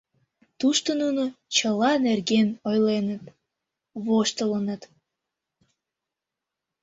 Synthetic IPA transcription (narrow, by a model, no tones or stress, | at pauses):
t̪uʃt̪ənunot͡ɕəlɑnerɡenojlenət̪ | βoʃt̪ələnət̪